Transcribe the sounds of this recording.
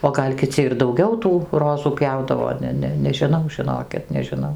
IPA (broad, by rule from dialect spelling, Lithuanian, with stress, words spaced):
oː ˈɡɐlʲ kʲɪˈt͡sʲɪ ɪr dɐʊˈɡʲɛʊ tuː ˈroːzuː ˈpʲjɛʊdɐʋoː ˈnʲɛ ˈnʲɛ nʲɛʒʲɪˈnɐʊ ʒʲɪˈnoːkʲɪt nʲɛʒʲɪˈnɐʊ